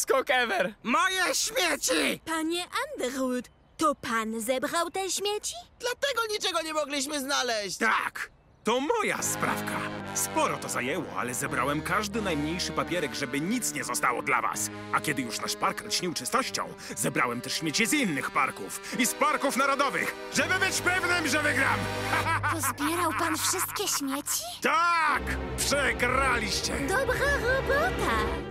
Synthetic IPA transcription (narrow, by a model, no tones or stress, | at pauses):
skɔkɛvɛɾmɔjɛɕmʲjet͡ɕipaɲɛʔand̪ɛɾwut̪ | t̪ɔpanzɛbɾawt̪ɛɕmʲjet͡ɕid̪̥lat̪ɛɡɔɲit͡ʂɛɡɔɲɛmɔɡlʲiɕmɘznalɛɕt͡ɕt̪a̰k | t̪ɔmɔja̰spɾa̰fka̰spɔɾɔt̪ɔza̰jɛwɔ̰a̰lɛzɛbɾawɛmkaʐd̪ɘnajmɲejʂɘpapʲjɛɾɛɡʐɛbɘɲit̪sɲɛzɔst̪awɔ̰d̪la̰va̰s | akʲɛd̪ɘjuʂnaʂpaɾk̪ɕɲiwt͡ʂɨst̪ɔɕt͡ɕɔ̰̃w̃zɛbɾawɛmt̪ɛʂɕmʲet͡ɕɛzinːɘxpa̰ɾkufispaɾkufnaɾɔd̪ɔvɘ̰x | ʐɛbɘbɘt͡ɕpɛvnɘmʐɛvɘɡɾamt̪ɔzbʲjɛɾawpanfʂɘst̪kʲɛɕmʲjɛt͡ɕi̥t̪akpʂɛɡɾalʲiɕt͡ɕɛd̪ɔbɾaɾɔbɔt̪a